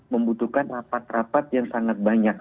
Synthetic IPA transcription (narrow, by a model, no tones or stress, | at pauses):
məmbut̪ukanrapat̪̚rapat̪̚jaŋsaŋat̪̚baɲak̚